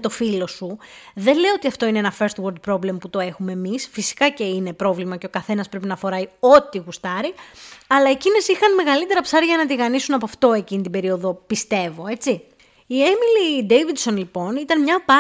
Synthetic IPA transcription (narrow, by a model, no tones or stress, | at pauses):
t̪o̞filo̞suðe̞nleoo̞t̪iɐft̪o̞ineenɐfeɾst̪woɾd̪̚pɾo̞ble̞mput̪o̞e̞xume̞misfisi̥kɐce̞ine̞pɾo̞vlimɐceo̞kɐθe̞nɐspɾe̞pinɐfo̞ɾɐjo̞t̪iɣust̪ɐɾiɐlɐe̞cine̞sixɐnme̞ɣɐlit̪e̞ɾɐpsɐɾʝɐnɐt̪̬iɣɐnisunɐpoɐft̪o̞e̞cinit̪ibe̞ɾio̞ðo̞pist̪e̞vo̞e̞t͡si | iemilid̪ejvid̪so̞nlipo̞nit̪ɐnmɲɐpɐ